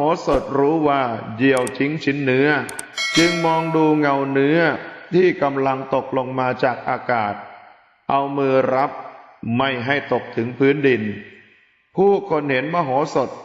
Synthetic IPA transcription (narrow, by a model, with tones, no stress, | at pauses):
ɦoː˩˦so˨˩t̪̚ɾuː˦˥waː˥˩ji˨˩əwt͡ɕʰi˦˥ŋt͡ɕʰi˦˥nːɯ˦˥ɐ | t͡ɕɯ˧ŋmɔː˧ŋduː˧ŋa˧˩wnɯ˦˥ɐt̪ʰiː˥˩ka˧mla˧ŋt̪o˨˩k̚lo˧ŋmaː˧t͡ɕaː˨˩k̚ʔaː˧kaː˨˩t̪̚ | ʔa˧wmɯː˧ɾa˦˥p̚ma˥˩jɦa˥˩jt̪o˨˩k̚t̪ʰɯ˩˦ŋpʰɯː˦˥ndi˧n | pʰuː˥˩kʰo˧nhe˩˦nmaː˧˩ɦoː˩˦so˨˩t̪̚